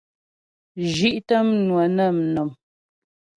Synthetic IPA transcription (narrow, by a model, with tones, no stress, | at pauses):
ʒi˦ʔtə˦mnwə˨nə˦˨mnɔ˨m